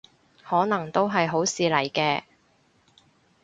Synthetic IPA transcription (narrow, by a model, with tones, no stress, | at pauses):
hɔː˨˥nɐ˨˩ŋt̪o˥wɦɐ˨jɦo˨˥wsiː˨lɐ˨˩jkɛː˧